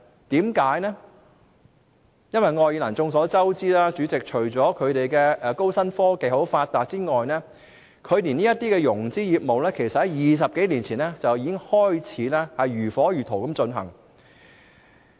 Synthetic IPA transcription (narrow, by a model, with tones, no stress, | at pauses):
t̪iː˨˥mkaː˨˥jnɛ˥ | jɐ˥nwɐ˨˩jŋɔː˧jiː˧lɐ̰˨˩nt͡sʊ˧ŋsɔː˨˥t͡sɐ˥wt͡siː˥laː˥t͡ʃyː˨˥t͡sɪ˨k̚t͡ʃʰɵ˨˩ɥt͡sɔː˨˥kʰɵ˨˧ɥt̪e˨jkɛː˧ʔɛː˨ko˥wsɐ˥nfɔː˥ke˨jho˨˥wfaː˧t̚t̪aː˨t̚t͡siː˥ŋɔː˨jnɛː˥ | kʰɵ˨˧ɥniː˨˩niː˥jɐ˥t̪iː˥kɛ˧jʊ˨˩ŋt͡siː˥jiː˨p̚mo˨wlɛː˥kʰe˨˩jsɐ˨t̚hɐ˨˩jiː˨s̬ɐ˨p̚ke˨˥jniː˨˩nt͡sʰiː˨˩nɛ˥t͡sɐ˨wjiː˧kɪ˥ŋhɔː˥jt͡sʰiː˨˥laː˥hɐ˨jɥyː˨˩fɔː˨˥jyː˨t̪ʰo˨˩wkɐ˨˧˥mt͡ʃɵ˧nɦɐ̰˨˩ŋ